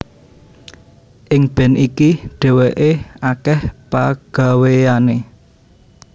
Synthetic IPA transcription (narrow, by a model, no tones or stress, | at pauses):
ʔɪŋb̥ɛ̤nʔikiɖ̥ɛ̤weʔeakɛhpaɡ̥a̤weane